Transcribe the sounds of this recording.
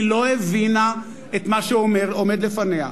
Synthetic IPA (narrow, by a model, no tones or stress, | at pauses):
lo̞evina | et̪maʃeomeʁome̞d̪lefanea̰